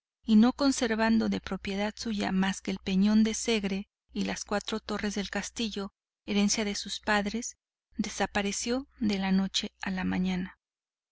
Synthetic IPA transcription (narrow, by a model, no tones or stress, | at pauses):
ino̞ko̞nse̞ɾβand̪o̞ðe̞pɾo̞pje̞ðaðsuʝa̰maskeːlpe̞ɲo̞nd̪e̞se̞ɣɾe | ilaskwat̪ɾo̞t̪o̞re̞zðe̞lkast̪iʝo̞ | e̞ɾe̞nsjaðesuspaðɾe̞s | ðe̞sapaɾe̞sjo̞ðe̞lano̞t͡ʃe̞alamãɲãna